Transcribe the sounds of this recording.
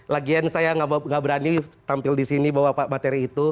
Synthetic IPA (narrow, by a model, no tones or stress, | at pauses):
laɡiansajaŋaŋabəɾanit̪ampɪldisinibawapamat̪eɾiːt̪u